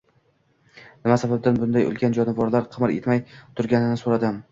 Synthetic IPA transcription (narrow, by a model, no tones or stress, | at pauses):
nɪmasabab̚d̪anbʊnd̪ajo̰lɡʲand͡ʒɒnɪvɒɾlaɾqʰɨmɾet̪majt̪ʰʊɾɡʲanɪnɪsoɾad̪ɪm